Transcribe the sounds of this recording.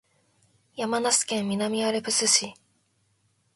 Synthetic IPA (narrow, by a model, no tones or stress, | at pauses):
jamanasi̥kẽ̞mːʲinamʲiaɾe̞pɯ̟sɨɕi